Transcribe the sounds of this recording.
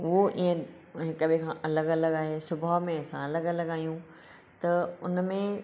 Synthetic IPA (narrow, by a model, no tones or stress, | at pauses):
ʊɦoʔiːə̃ | ɦɪkəbekʰãːʔɐləɡɐləɡaːɦesʊbʱaːmẽɐsã̰ɐləɡɐləɡaːɦijũ | t̪ɐʊ̰nmẽ